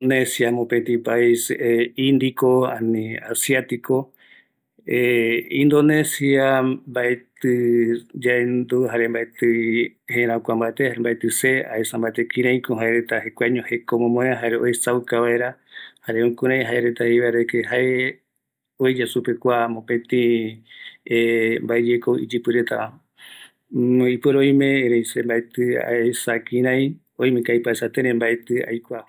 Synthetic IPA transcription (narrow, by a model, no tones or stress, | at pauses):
nesjamõpent̪ĩpaiseĩnd̪ikoa̰nĩasjat̪iko̞ | eĩnd̪o̞nesiabaʔet̪ɨd͡ʒaend̪uɦaɾe̞mbaʔet̪ɨhẽɾ̃ãkʷambaet̪ehambaet̪ɨsea̰esambaet̪ekĩɾ̃ãj̃koɦaeɾet̪ahekʷaɲõhekomõmõeaɦaɾeojsawkaβaeɾahaɾeũkuɾãj̃ɦaeɾet̪aheβaɾekeɦae | oed͡ʒasupekʷamõpẽt̪ĩ | embaed͡ʒekoḭd͡ʒɨpɨɾet̪a | ipeɾoj̃mẽɾẽj̃sembaet̪ɨa̰esakĩɾ̃ãj̃ | oj̃mẽkajpaesat̪eɾembaet̪ɨa̰jkʷa